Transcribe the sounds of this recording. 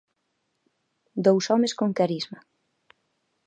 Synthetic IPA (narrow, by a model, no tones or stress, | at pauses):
d̪owsɔmeskoŋkaɾizmɐ